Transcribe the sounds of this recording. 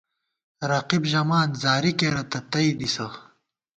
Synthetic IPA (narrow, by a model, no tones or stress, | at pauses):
ɾɐqibʑɐmaːnzaːɾikeːɾɐt̪ɐt̪ɐid̪isɐ